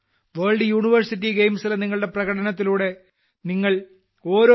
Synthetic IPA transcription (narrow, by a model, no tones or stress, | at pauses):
ʋeːɭɖjuːɳiʋɐrsitːiɡejmsileniŋːɐɭɨɽe̞prɐɣɐʈɐnɐt̪ːiluːɽe̞ | niŋːɐɭ | o̞ːɾo